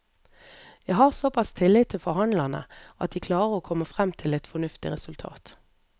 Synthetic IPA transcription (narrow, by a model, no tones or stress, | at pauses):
jæɪɦɑːʁsɔpʰɑst̪ʰɪlɪt̪ʰːɪlfɔhɑnlɑnə̰ʔɑ̰t̪̚d̪iːkʰlɑːəʁoːkʰɔməfʁɛmt̪ʰɪlɛt̪fɔnʉft̪ɪ̰ʁɛsʉlt̪ʰɑ̰ːt̪